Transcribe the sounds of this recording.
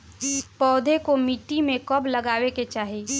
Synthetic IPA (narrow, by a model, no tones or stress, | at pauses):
pɔːd̪ʱekomiːʈːimẽkɔblɐɡaːʋeket͡ʃaːɦeː